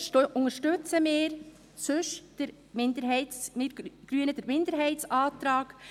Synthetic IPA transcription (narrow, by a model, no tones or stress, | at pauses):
ʔʊŋəɾʃtʏt͡səmɪːɾ | sɵʃd̥əɾ | mɪndəɾɦɛɪtsmɪɡ̥ɾyənəd̥əɾmɪndəɾɦɛɪtt͡sɑːt̪ɾɑːɡ̥